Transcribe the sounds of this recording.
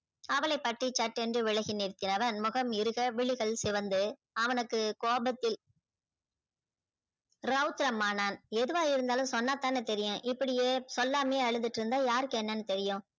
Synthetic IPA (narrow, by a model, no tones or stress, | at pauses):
ɐʋɐlɐɪpːɐʈrit͡ʃːɐʈːɛndrɯʋɪɭɐɣɪnɪɾt̪ːɪnɐʋɐnmʊɣɐmɪɾɯɣɐʋɪɭɪɣɐɭsɪʋɐnd̪ɯ | ɐʋɐnɯkːɯkoːbɐt̪ːɪl | ɾɐʊt̪ɪɾɐmaːnaːnɛðɯʋaːjɪɾɯnd̪aːlɯ̃msɔnːaːt̪aːnɐt̪ɛɾɪjʊ̃ʔɪpːɐɽɪjeːsɔlːaːmeːɐɻɯðɯʈːɪɾɯnd̪aːjaːɾɯkːɯɛnːɐnːɯt̪ɛɾɪjʊ̃